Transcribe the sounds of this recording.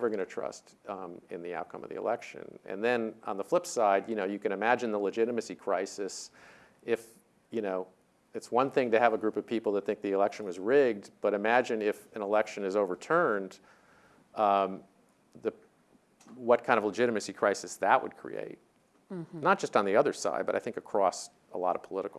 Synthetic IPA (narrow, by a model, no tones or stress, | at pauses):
və˞ɡʌnɨtʰɹ̥ʌ̰st | ɨ̰̃nðia̰ʊt̚kʰʌ̰̃mʌvðḭə̰lɛkʃɨ̰̃nɨ̰̃nðɨ̃nə̰̃nðəflɪpsaɪdjɨnoʊjɨkɨ̃ñɨmæd͡ʒɨ̃nðələd͡ʒɪɾɨmɨsikʰɹ̥aɪsɨs | ɪf | jɨnoʊ | ɨtswʌ̃nθɪ̃ŋtɨːvəɡɹʉpʌv̥pʰipl̩ˠðət̪̚θɪ̃ŋk̚ðiɨlɛkʃɨ̃nwʌzɹɪɡ̚db̥ʌɾɨmæd͡ʒɨ̃nɪfɨ̃nəlɛkʃɨ̃nɨzoʊvə˞tʰɜ̃˞nd | ðɨ | wʌt̚kʰãɪ̃ndʌvləd͡ʒɪɾɨmɨsikʰɹ̥aɪsɨsðəʔ̚wə̰d̚kʰɹ̥ḭḛɪt̚ | nət̚d̥ʒ̥ʌstn̩ðiʌðə˞sa̰ɪd̚bʌɾa̰ɪθɪ̃ŋkɨkʰɹ̥ɔs | ə̰lɔ̰ɾʌ̰v̥pʰəlɪɾəkl̩ˠ